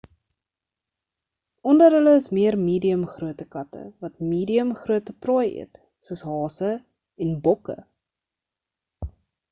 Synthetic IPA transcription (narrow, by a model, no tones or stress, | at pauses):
ɔndəɾɦələəsmiərmiːdiəmχruətəkɐtə̰vɐtmiːdiəmχruətəprɔːjə̰t | səsɦɑːsə | ɛnbɔkə̰